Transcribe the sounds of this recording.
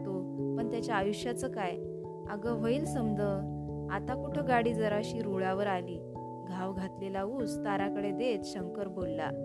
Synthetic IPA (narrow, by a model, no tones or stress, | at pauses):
t̪o | pəɳt̪jat͡ɕjaːjuɕjat͡səːkaj | əɡəʋəiːlsəmd̪ʱə | a̰t̪akuʈʰəɡaɽiːd͡zəɾaɕiːɾuɭaʋəɾaliː | ɡʱaʋɡʱat̪lelauːst̪aɾakəɽed̪et̪ɕəŋkəɾbolːa̰